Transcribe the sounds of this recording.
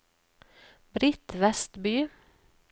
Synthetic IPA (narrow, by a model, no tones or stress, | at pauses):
bɾɪt̪ʋɛst̪byː